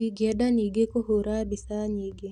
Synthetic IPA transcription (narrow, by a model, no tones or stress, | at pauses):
iɡjɛɗaniɡekohoɾabisaɲiɡe